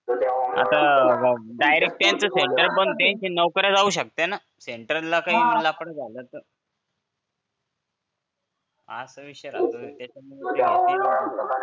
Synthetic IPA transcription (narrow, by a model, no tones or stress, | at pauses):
a̰t̪a | ɖajɾek̚ʈjãnt͡səseɳʈəɾbənd̪̚t̪eɲt͡ɕinəʋkəɾjad͡zauːɕ̬ək̚t̪ena | seɳʈəɾəlːakaɦim̤əlaːpɽəd͡zʱalət̪əɾ | a̰səʋiɕəɾa̰t̪ət̪jat͡ɕaməliat̪i